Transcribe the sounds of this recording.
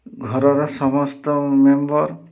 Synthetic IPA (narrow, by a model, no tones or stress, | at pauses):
ɡʱɔɾɔɾɔsɔmɔst̪ɔmembɔɾ